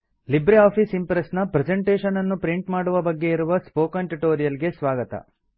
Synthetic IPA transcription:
libɾeaːpʰisimpɾesnɐpɾed͡ʒeɳʈeːʃɐnɐnːupɾiɳʈmaːɽuʋɐbɐɡːe̞iɾuʋɐspoːkɐɳʈuʈoːɾijɐlɡesʋaːɡɐt̪ɐ̰

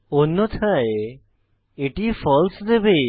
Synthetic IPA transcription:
onːot̪ʰae | eʈifɔlsd̪ebe

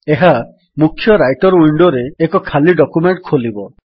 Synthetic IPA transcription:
eɦa | mukʰːjɔɾajʈɔɾuiɳɖoɾeːkɔkʰaliɖɔkumeɳʈkʰolibɔ

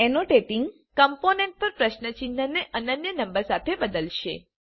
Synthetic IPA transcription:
enoʈeʈiŋɡ | kəmponẽɳʈ̚pəɾpɾəʃnət͡ʃint̪ənːeʔənənjənə̃mbəɾsat̪ʰebəd̪əlʃḛ

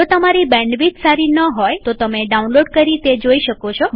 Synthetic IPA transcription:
ot̪əmaɾibɛ̃ɳɖʋit̪saɾinəɦɔjt̪ot̪əmeɖaunloɖkəɾit̪ed͡ʒoiʃəkot͡ʃʰo

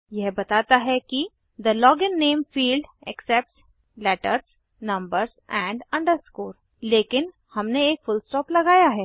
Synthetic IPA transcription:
jɛɦbɐt̪aːt̪aɦɛki | d̪əlɔːɡɪ̃nːeːmfiːlɖɛksɛp̚ʈs | lɛːʈəɾs | nɐ̃mbəɾzɛ̃ːɳɖɐ̃ɳɖəɾskoːɾ | leːkɪn | hɐmneːkfʊlsʈɔːplɐɡaːjaɦɛː

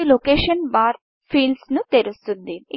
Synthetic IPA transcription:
ilokeːʃɐnbaːɾ | pʰiːlɖsnut̪eɾust̪und̪i

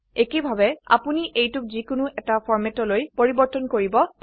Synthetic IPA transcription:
ekebʱabɛa̰puniʔejtʊk̚zikʊnʊʔɛtapʰɔɹmɛtɔlojpoɹibɔɹtɔnkoɹibɔ

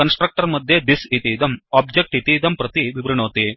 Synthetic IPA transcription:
kɐnsʈɾɐk̚ʈɐɾmɐd̪ʱjed̪isit̪iːd̪ɐmaːbd͡ʒek̚ʈit̪iːd̪ɐmpɾɐt̪iʋibɾɐɳoːt̪i

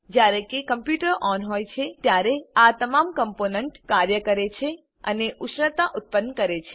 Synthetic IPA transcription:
d͡ʒjaɾẽkekəmpjuʈəɾɔnɦojt͡ʃʰet̪jaɾeat̪əmamkəmponəɳʈkaɾjəkəɾet͡ʃʰe | əneʔʊʃɳət̪aʔʊt̪̚pənːkəɾet͡ʃʰe̥

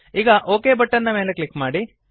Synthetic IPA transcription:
iːɡɐʔoːkeːbɐʈːɐnd̪ɐme̞ːleklikːmaːɽi

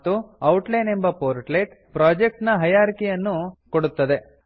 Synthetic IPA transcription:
t̪ːuɐwʈlɐjne̞mbɐpoːɾʈleʈ | pɾaːd͡ʒek̚ʈnɐɦɐjaːɾkijɐnːukoɽut̪ːɐd̪e̞

